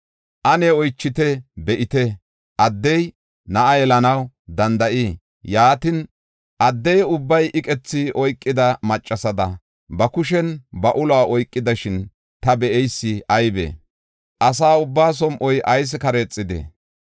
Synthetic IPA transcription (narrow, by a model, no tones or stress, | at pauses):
ʔɐnɛɔjt͡ʃːɪt̪ɛbɛʔɪt̪ɛ | ʔɐd̪ːɛj | nɐʔɐjɛlɐnɐw | d̪ɐnd̪ɐʔiː | jaːt̪ɪn | ʔɐd̪ːɛjʊbːɐjʔɪkʼɛt͡sːɪɔjkʼːɪd̪ɐmɐt͡ʃʼːɐsɐd̪ɐ | bɐkʊʃ̬ɛnbɐʔʊlaːʔɔjkʼːɪd̪ɐʃɪn | t̪ɐbɛʔɛjsːɪʔɐjbḛ | ʔɐs̬aːʊbːaːs̬ɔmʔɔjʔɐjs̬kɐɾeːt͡sʼːɪd̪ɛ̰